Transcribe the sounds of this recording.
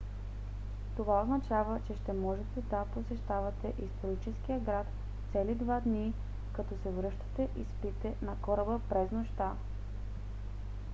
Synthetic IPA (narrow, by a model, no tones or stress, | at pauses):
t̪ovaoznɐt͡ʃavət͡ʃɛʃt̪ɛmɔʒɛt̪ɛd̪aposɛʃt̪avɐt̪ɛʔist̪oɾit͡ʃɛskijəɡɾat̪ | t̪sɛlid̪vad̪ni | kɐt̪ɔsɛvɾɤʃt̪ɐ̥t̪ɛʔispit̪ɛnɐkɔɾəbəpɾɛznoʃt̪a